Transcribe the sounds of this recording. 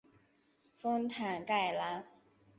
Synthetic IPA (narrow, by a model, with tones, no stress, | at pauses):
fo˥ŋt̪ʰa˨˩nka˥˩ɪla˧˥